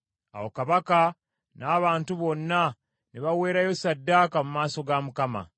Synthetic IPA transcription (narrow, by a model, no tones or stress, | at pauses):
a̰wokaβaka | naːβaːntuβo̞nːa | niβawe̞ːɾajo̞sadːaːkamumaːso̞ɡamukama̰